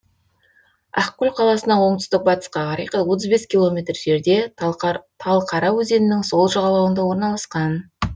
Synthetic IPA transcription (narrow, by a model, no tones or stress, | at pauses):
ɑqkʲːʏlʲqʰɑlˠɑsənɑwo̞ɴt̪ʏ̥st̪ɪk̚bɑt̪ə̥sqɑʁɑɾijqət̪wo̞t̪̬əzbe̞skʲilˠo̞mʲe̞t̪rʒe̞ɾd̪e̞ | t̪ʰɑlˠqʰɑɾɑwɵze̞nɪnɪŋso̞lˠʒɑʁɑlˠɑwənd̪ɑwo̞ɾnɑlˠɑsqɑn